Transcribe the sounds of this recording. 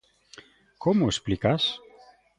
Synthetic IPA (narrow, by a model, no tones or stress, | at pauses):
kʰomoesplikas